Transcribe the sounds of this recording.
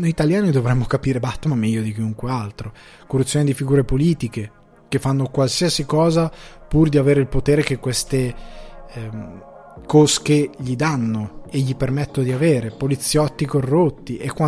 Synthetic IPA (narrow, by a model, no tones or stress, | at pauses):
nojit̪aljaːnid̪ovɾɛmːokapiːɾebat̪ːmamɛjːod̪ik̟iuŋkwealt̪ɾo | korːut̪sːjoːnid̪ifiɡuːɾepoliːt̪ike | kefːanːokwalsiasikɔːzapurd̪iaveːɾeilpot̪eːɾekekːwest̪e | koskeʎid̪anːoeʎːipermɛt̪ːod̪iaveːɾepolit̪sːjɔt̪ːikorːot̪ːiʔekːwa